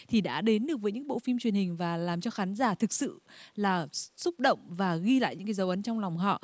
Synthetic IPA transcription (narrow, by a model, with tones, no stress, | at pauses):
t̪ʰi˨˩ɗa̰ː˧˥ɗe˨˦nɗɨ˨˩ək̚vəː˨˦ɲɨ̰˧˥ŋɓo̰˧˨fi˧mt͡ɕwi˨˩ənhï˨˩ŋ̟vaː˨˩laː˨˩mt͡ɕɔ˧xaː˨˦nzaː˧˩t̪ʰɨ˨˩k̚sɨ̰˧˨laː˨˩sʊ˦˥k͡p̚ɗə̰˧˨wŋ͡mvaː˨˩ɣi˧la̰ː˧˨jɲɨ̰˧˥ŋkaː˨˦jzə˨˦wʔə˨˦nt͡ɕɔ˧wŋ͡mlɔ˨˩wŋ͡mɦɔ̰˧˨